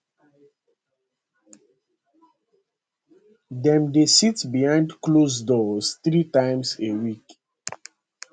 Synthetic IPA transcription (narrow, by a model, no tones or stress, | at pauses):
dɛ̃mdesitbihãɪ̃ndklos̬dɔsθɹitãɪ̃msewik